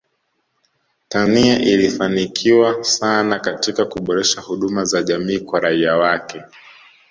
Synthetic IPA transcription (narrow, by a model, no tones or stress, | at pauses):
taniaʔilifanikʰiwasanakatikakuɓɔɾɛʃahuɗumazaʄamiːkwaɾaiawakɛ